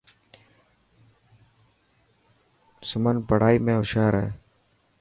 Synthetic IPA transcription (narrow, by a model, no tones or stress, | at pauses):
sʊmənpəɽ̤aːiːmẽːʊʃaːɾeː